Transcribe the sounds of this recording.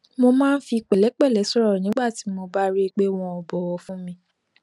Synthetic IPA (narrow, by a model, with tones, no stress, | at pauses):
mo˧mãː˦n̩˦fi˧k͡pɛ˨lɛ˨˦k͡pɛ˦˨lɛ˨˦sɔ˦ɾɔ˦˨nĩ˨˦ɡ͡ba˦˨ti˨˦mo˧ba˦ɾe˦˧k͡pe˦w̃ɔ̃˧ɔ˨bɔ˨˦wɔ˧fũ˦mĩ˧